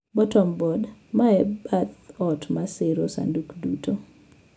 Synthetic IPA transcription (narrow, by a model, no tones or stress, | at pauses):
bɔtɔmbɔdmaɛbat̪ɔtmaseɾosa̰ndukdutʰo